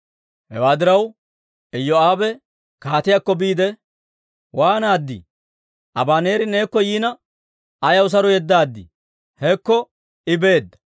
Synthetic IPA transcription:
hɛwaːd̪ɪɾɐw | ɛjːɔaːbɛ | kaːt̪ɪjakːɔbiːd̪ɛ | waːnaːd̪ːɪ̰ | ʔɐbaːneːɾɪne̞ːkːɔjiːnɐ | ɐjɐws̬ɐɾɔjɛd̪ːaːd̪ːɪ̰ | hɛkːɔ | ɪbe̞ːd̪ːɐ̥

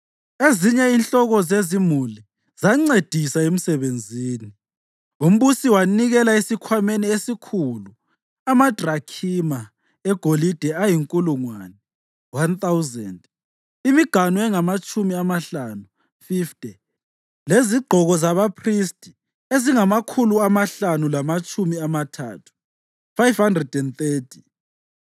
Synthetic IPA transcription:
eziɲɛinɬʼɔɣɔzezimuli | z̥aŋ͡ǀed̥ʱisaem̩sɛβend͡zʱiːni | um̩βusiwaniɣɛlaisikʰwameniesikʰulu | amad̥ʱrakʰima | ɛɡ̥ʱolid̥ʱɛajiŋkʼuluŋwanɛ | want̪awzɛnd | imiɡ̥ʱanɔɛŋamat͡ʃʼumiamaɬaːnu | fiftʼɛ | leziɡ͡ǃʱɔɣɔzaβapʰristʼi̥ | eziŋamakʰuluamaɬanulamat͡ʃʼumiamatʰa̰ːtʰu̥ | fajvhandrɛdɛnt̪eːtʰi̥

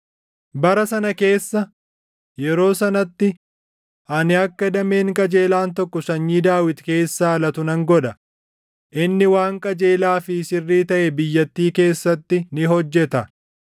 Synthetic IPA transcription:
bɐɾɐsɐnɐke̞ːsːɐ | jɛɾo̞ːsɐnɐt̪ːɪ | ʔɐnɪɐkːɐd̪ɐme̞ːŋkʼɐd͡ʒe̞ːlaːnt̪ɔkːɔsɐɲːiːd̪aːwɪt̪ke̞ːsːaːɐlɐt̪ʊnɐŋɡɔᶑɐ | ʔɪnːɪwaːŋkʼɐd͡ʒe̞ːlaːfɪsɪrːiːt̪ɐʔɛbɪjːɐt̪ːiːke̞ːsːɐt̪ːɪnɪɦɔd͡ʒːɛt̪ɐ

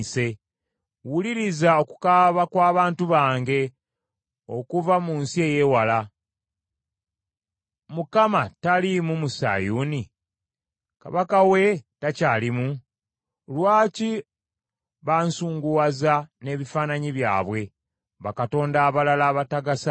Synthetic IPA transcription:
se̞ | wuliɾizao̞ku̥kaβakwaːβaːntuβaːŋɡe̞ | o̞̰kuvamuːnsie̞ːje̞wala | mukamatalimumusa̰juːni | ka̰βakawe̞tacaːlimu | lwaːci | βansuːŋɡuwazane̞βifaːnaɲiβja̰ːβwe̞ | βakato̞ːndaːβalalaːβataɡasa

